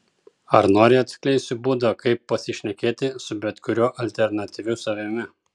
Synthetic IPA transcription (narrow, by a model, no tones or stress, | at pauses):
ɐɾnoːɾʲɪɐt̪ʲsʲkʲlʲɛɪsʲɪbuːd̪ɐkɐɪpːɐsʲɪʃʲnʲɛkʲeːt̪ʲɪsʊbʲɛt̪kʊɾʲuʔɐlʲt̪ʲɛɾnɐt̪ʲiʋʲʊsɐʋʲɪmʲɪ